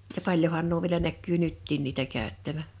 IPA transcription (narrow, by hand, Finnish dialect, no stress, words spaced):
jɑ pɑlʲjohɑn nuo ʋiĕlæ nækːyː nytːiːn niːtæ kæˑøtːæʋæ